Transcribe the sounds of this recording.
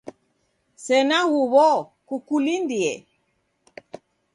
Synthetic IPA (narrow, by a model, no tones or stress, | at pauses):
sɛnaɣuβɔkukulindiɛ